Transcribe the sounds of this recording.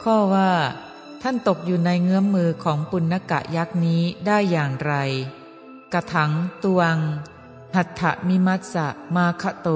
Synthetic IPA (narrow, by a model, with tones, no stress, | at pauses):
kʰɔː˥˩waː˥˩ | t̪ʰa˥˩nt̪o˨˩k̚juː˨˩na˧jŋɯ˦˥əmːɯː˧kʰɔː˩˦ŋpu˧nːa˧˥ka̰˨˩ʔja˦˥k̚niː˦˥daː˥˩jːaː˨˩ŋɾa˧j | ka˧t̪ʰa˩˦ŋt̪u˧ə˧ŋ | ha˨˩t̪ʰːa̰˧˩ʔmi˦˥ma˦˥t̪̚sa̰˧˩ʔmaː˧kʰa˧˥t̪oː˧˩